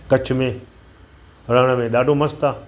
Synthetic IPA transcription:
kɐt͡ɕʰʊ̆mẽː | ɾəɽ̃əmẽːɗ̪aːɖʱomɐst̪aː

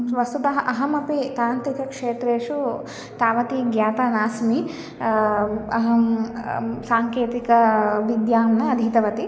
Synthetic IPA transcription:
ʋɐst̪ut̪ɐɦɐʔɐɦɐmɐpit̪aːnt̪ɾikɐkʂeːt̪ɾeːʂu | t̪aːʋɐt̪iɡjaːt̪aːnaːsmi | ɐɦɐm | saːŋkeːt̪ikɐʋid̪jaːmnɐːd̪ʱit̪ɐʋɐt̪i

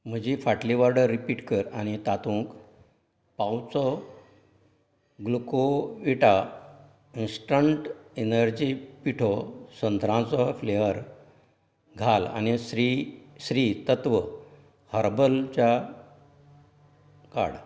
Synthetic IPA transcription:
m̤əd͡ʑifaʈliʋaɾɖəɾːipiːʈkəɾañit̪at̪ũk | pawt͡sɔ | ɡlukoʋiʈa | insʈɾəɳʈenəɾd͡ʑiːpiʈʰɔsənd̪ʱɾãt͡sɔfleʋəɾ | ɡʱala̰nisɾisɾit̪ət̪ʋə | həɾbəlt͡ɕja | ka̰ɽ

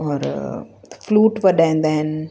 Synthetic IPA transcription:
ɔːɾ | fluːʈʋəɖãnd̪ɛn

